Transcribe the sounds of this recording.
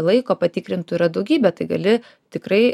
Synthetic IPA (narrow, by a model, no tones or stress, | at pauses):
lˠɐɪkoːpɐt̪ʲɪkɾʲɪnt̪ʊiɾɐd̪ɐʊɡʲiːbʲɛt̪ɐɪɡɐlʲɪ | t̪ʲɪkɾɐɪ